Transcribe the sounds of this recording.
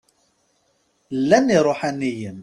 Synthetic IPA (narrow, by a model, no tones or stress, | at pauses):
lːænːiɾˤoħanːijən